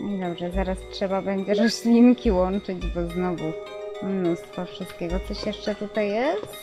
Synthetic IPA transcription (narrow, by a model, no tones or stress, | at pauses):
ɲɛd̪ɔbʐɛzaɾastʂɛbabɛɲd͡ʑɛɾɔsɕlʲiŋkʲiwɔnt͡ʂɘd͡ʑbɔznɔvumnust̪fɔfʂɨst̪̚kʲeɡɔt̪sɔɕjɛʂt͡ʂɛt̪ut̪ajːɛst̪